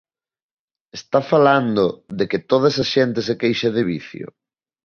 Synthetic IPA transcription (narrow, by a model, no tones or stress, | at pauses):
est̪afaland̪ʊðekɪt̪oð̞ɐesasʃent̪ɪsekejʃɐð̞eβḭθjʊ̰